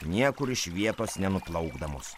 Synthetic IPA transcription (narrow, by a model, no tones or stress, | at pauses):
nʲiɛkʊɾɪʃʋʲiɛt̪oːsnʲɛnʊplˠɐʊɡd̪ɐmo̰ːs